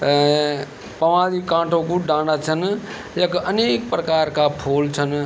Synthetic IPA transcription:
pəʋãɾikãːʈʰõkuɖãɽat͡ʃʰən | jekəneːk̚pɾəkaɾkapʰoːlt͡ʃʰən

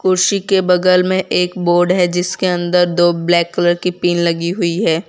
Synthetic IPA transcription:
kʊɾʃikebɐɡəlmẽʔeːkboːɾɖɦɛd͡ʒɪskeɐ̃nd̪əɾd̪oːblɛːkːələɾkipiːnlɐɡiɦʊiɦɛː

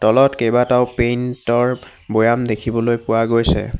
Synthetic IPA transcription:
tɔlɔtkejbataʊpentɔɹ | bojamdekʰibɔlojpʊwaɡojsɛ̰

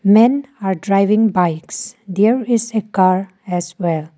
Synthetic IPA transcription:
mɛ̃naɾɖɾaɪʋɪ̃ŋbaɪksd̪eɹɪzekaɹ | ɛswɛl

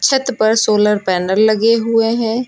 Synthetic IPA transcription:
t͡ʃʰət̪pɐɾsoːləɾpɛːnəɾlɐɡeɦueɦɛ̃ː

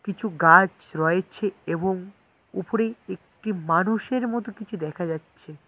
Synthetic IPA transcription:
kit͡ɕʰuɡad͡ʑ | ɾɔet͡ɕʰeeboŋ | upoɾeek̚ʈimanuʃeɾmɔt̪okit͡ɕʰud̪ɛkʰad͡ʑatːɕʰe

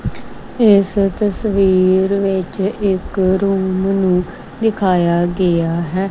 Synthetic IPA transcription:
ɪst̪əsʋiːɾʋɪt͡ʃɪkɾuːmnũː | d̪ɪkʰaːjaːɡɪaːɦɛː

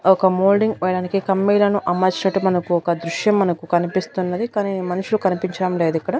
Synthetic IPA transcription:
ɔkɐmoːlɖiŋɡɛːjɐɽaːnikikɐmːiːlɐnuʔɐmːaːt͡ʃinɐʈːumɐnɐkuɔkɐd̪ɾuʃjɐmːɐnɐkukɐnipist̪unːɐd̪ikaniːmɐnuʂulukɐnipiɲt͡ʃɐɽɐmleːd̪ikːɐɽɐ

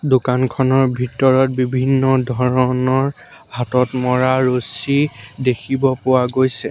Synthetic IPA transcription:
dokankʰɔnɔɹbʱitɔɹɔt̚bibʱinːɔdʱɔɹɔnɔɹ | hatɔtmɔɹaɹosidekʰibɔpʊwaɡojsɛ

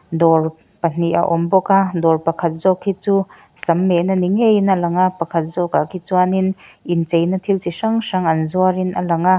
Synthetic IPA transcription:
d̪ɔr | pɐn̥iʔa̰ʔɔmbɔkadɔrpɐkʰɐt̪̚zɔkʰːit͡su | sɐmːenɐniŋejnalɐŋapɐkʰɐt̪̚zɔkakʰit͡suaninint͡sejnɐt̪ʰilt͡ʃisaŋsaŋɐnzuaɾinɐlɐŋa

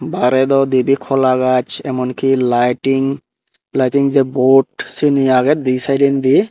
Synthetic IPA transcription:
baɾɛd̪ɔd̪ibikʰɔlaɡat͡ʃɛmɔnkilajʈiŋ | lajʈiŋzɛboʈsiniaɡɛt̪̚disajɖind̪i

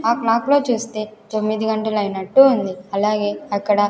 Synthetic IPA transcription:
aːklaːklo̞ːt͡ʃuːst̪e̞ːt̪o̞mːid̪iɡɐɳʈɐluɐjnɐʈːuund̪iɐlaːɡe̞ːɐkːɐɽɐ

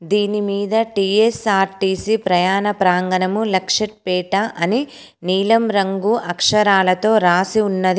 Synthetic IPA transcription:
d̪iːnimiːd̪ɐʈiːesaːɾʈiːsipɾɐjaːnɐpɾaːŋɡɐnɐmulɐkʂɐʈ̚pɛːʈɐʔɐni | niːlɐmɾɐŋɡuʔɐkʂɐɾaːlɐt̪o̞ːɾaːsiunːɐd̪i

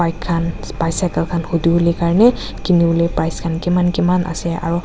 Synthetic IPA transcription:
ajkʰːan | pajsakalkʰanxudibʊlikaɹanɛ | kinibulipajskʰankimankimanʔa̰sɛa̰ɹu

